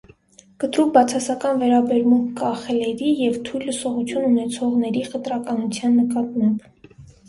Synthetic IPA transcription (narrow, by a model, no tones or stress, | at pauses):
kət̪ɾukbɑt͡sʰɑsɑkɑnvɛɾɑbɛɾmuŋkʰkɑχɛlɛɾijɛvt̪ʰujllːəsɔʁut͡sʰjununɛt͡sʰɔʁnɛɾiχət̪ɾɑkɑnut͡sʰjɑnːəkɑt̪mɑmb